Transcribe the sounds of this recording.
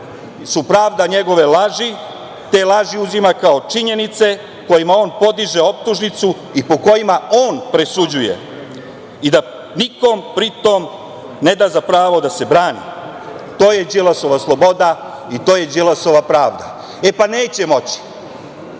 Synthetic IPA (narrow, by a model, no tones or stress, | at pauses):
supɾaːʋd̪aɲe̞ɡo̞ʋe̞laʒi | t̪e̞ːlˠaʒiuzimakao̞t͡ʃiɲe̞nit̪se̞ | ko̞jimao̞ːnpo̞d̪iʒe̞o̞p̚t̪uʒnit̪su | ipo̞ko̞jimao̞ːnpɾesud͡ʑuje̞̰ | id̪a | niko̞mpɾit̪o̞m | ne̞d̪aːzapɾaːʋo̞d̪ase̞bɾaːnḭ | t̪o̞ːje̞d͡ʑelaso̞ʋaslˠo̞bo̞d̪a | it̪o̞ːje̞d͡ʑelasoʋapɾaːʋd̪a | epane̞ːt͡ɕe̞mo̞t͡ɕi̥